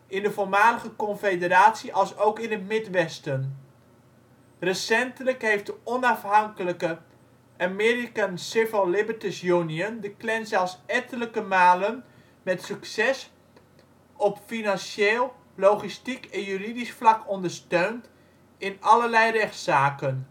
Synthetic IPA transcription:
ɪndəvolˠmaːdəχəkɔnfedəɾaːtsiʔɑlˠsowkɪnətmɪtʋɛstən | rəsɛntələkɦejft̚dəɔnɑfɦɑŋkələkə | ʔamɪːɾikansɪvəllɪbəɹtɪsjuniəndəklɛnzɛlˠfsɛtələkəmaːlən | mɛtsyksɛs | ɔpfinɑnʃeːlˠ | lowχistikɛnjyridisflɑkɔndəɹstøɥnt | ɪnɑləlɛjrɛχtsaːkən

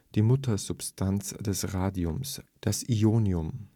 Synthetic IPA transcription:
d̥iːmʊtʰɐzʊpstʰant͡sd̥ɛsʁaːdiʊmsd̥asʔioːniʊm

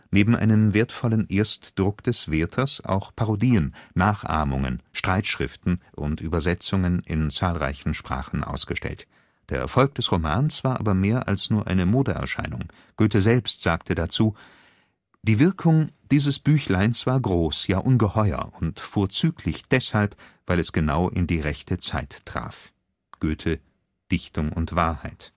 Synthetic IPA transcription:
neːbm̩ʔa̰ɪnəmveːɐtfɔlənʔeːɐstd̥ʁʊkd̥ɛsv̥eːɐtʰɐsa̰ʊxpʰaʁodiːənːaːχʔa̰ːmʊŋə̰nʃtʁ̥aɪtʃʁ̥ɪftn̩ʔʊ̰ntʔyːbɐzɛt͡sʊŋənɪ̰nt͡saːlʁa̰ɪçn̩ʃpʁ̥a̰ːχn̩ʔa̰ʊsɡ̥əʃtɛ̰lt | d̥eːɐʔɛ̰ɐfɔlk̚d̥ɛsʁomaːnt͡sv̥aːɐʔa̰ːbɐmeːɐʔa̰lsnuːɐʔa̰ɪnəmoːdəʔɛ̰ɐʃa̰ɪnʊŋ | ɡ̥øːtəzɛlpstz̥aːktʰədat͡suː | d̥iːvɪɐkʰʊŋd̥iːzəsb̥yːçlaɪnsv̥aːɐɡʁoːsjaːʔʊnɡəhɔʏɐ̰ʔʊntfoːɐt͡syːkʰlɪçd̥ɛshalp | v̥aɪlɛsɡ̥ənaʊʔɪndiːʁɛçtʰət͡saɪtːʁ̥a̰ːf | ɡ̥øːtʰə | d̥ɪçtʊŋʊntv̥aːɐhaɪt

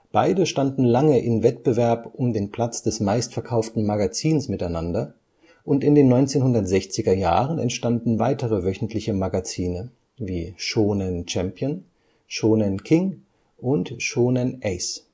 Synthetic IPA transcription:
b̥aɪdəʃtandn̩laŋəʔɪmvɛtb̥əvɛɐpʔʊmdeːnpʰl̥at͡sd̥ɛsmaɪstfɛɐkʰaʊftn̩maɡat͡siːnsmɪtaɪnandɐ | ʔʊntɪndeːnːɔʏnt͡seːnhʊndɐtz̥ɛçt͡sɪɡɐjaːʁ̞ənɛ̰ntʃtandn̩vaɪtəʁəvœçn̩tʰlɪçəmaɡat͡siːnə | viːʃoːnɛnt͡ʃɛmpʰjən | ʃoːnɛnkʰɪŋ | ʔʊntʃoːnɛnʔɛɪs

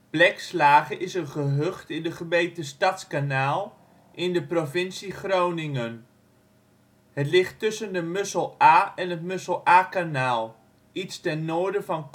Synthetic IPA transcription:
b̥lɛkslaːχəʔɪsənχəɦøχtɪndəχəmejtəstɑtskanaːlˠ | ʔɪndəprovɪnsiχrownɪŋən | hətlɪχtːɵsəndəmøsəlˠaːɛnətmøsəlˠaːkanaːlˠ | itstɛnːoːɹdəvɑnk

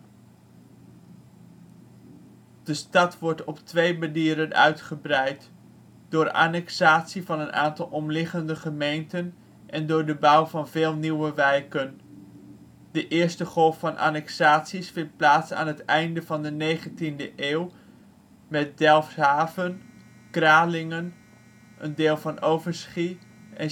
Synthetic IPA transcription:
d̥əstɑtʋɔɹtɔptʋejbədiːɾənœ̰ɥtχəbrɛjt | d̥ʊːɹa̰ːnɛksaːtsivɑnəna̰ːntɑlˠɔmlɪχəndəχəmejntən | ʔɛndʊːɹdəbʌwvɑnvɪːlˠniwəʋɛjkən | d̥əʔɪːɹstəχɔlˠffɑnʔa̰ːnɛksaːtsisfɪnt̚plaːtsa̰ːnɦətɛjndəvɑndənejχəntindəʔeːw | mɛt̚dɛlˠfsɦaːvən | kraːlɪŋən | ʔəndɪːlˠvɑnʔowvəɹsχi | ɛn

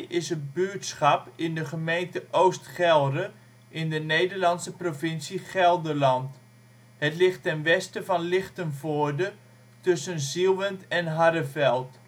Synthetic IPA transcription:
ɪsət̚byːtsχɑpɪndəχəmejntəʔowstχɛlˠrə | ʔɪndənejdəɹlɑnsəprovɪnsiχɛlˠdəlɑnt | hətlɪχtːɛnʋɛstəvɑnlɪχtənvoːdə | tɵsənzilˠʋəntɛnɦaɾəvɛlˠt

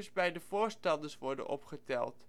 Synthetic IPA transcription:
sbɛjdəvʊːɹstɑndəsʋɔɹdə̰nʔɔpχətɛ̰lˠt

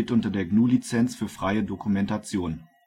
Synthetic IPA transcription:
tʔʊntɐdeːɐɡnuːlit͡sɛnt͡sfyːɐfʁ̥aɪədokumɛntat͡sjoːn

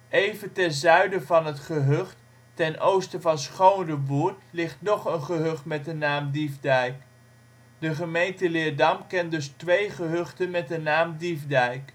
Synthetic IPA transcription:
ejvəntɛnzœɥdəvɑnɦətχəɦɵχtː | ɛnʔowstəvɑnsχownrəbuːɹtlɪχtnɔχənχəɦɵχtmɛt̚dənaːmdivdɛjk | dəχəmejntəlɪːɹdɑmkɛntdɵstʋejχəɦɵχtənmɛt̚dənaːmdivdɛjk

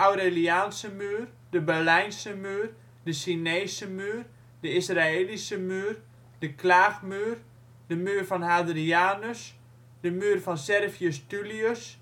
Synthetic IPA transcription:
awɾeliaːnsəmyːr | dəbɛrlɛjnsəmyːr | dəsineːsəmyːr | dəisraeːlisəmyːr | d̥əkʰlaːxmyər | d̥əmyːrfɔnhadriaːnəs | d̥əmyːərfɔnsɛrviəstyliəs

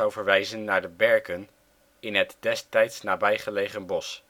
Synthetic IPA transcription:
ɑwvəɹʋɛjzənːaːɹdəbɛɹkən | ɪnɦətdɛstɛjtsnaːbɛjχəlejχənbɔs

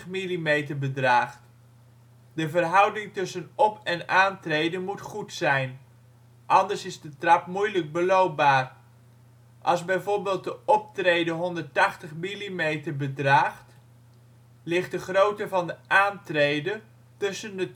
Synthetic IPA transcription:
milimejtəɹbədraːχt | dəvərɦʌwdɪŋtʏsənɔpʰɛnaːntrejdənmutχutsɛjn | ʔɑndəɹsɪzdətrɑpmujləɡ̚bəlowp̚baːr | ʔɑlˠzbɛjvoːɹbɪːlˠt̚dəɔp̚trejdəɦɔndəɹtɑχtəχmilimejtəɹbədraːχt | lɪχt̚dəχrowtəvɑndəʔaːntrejdə | tɵsəndə

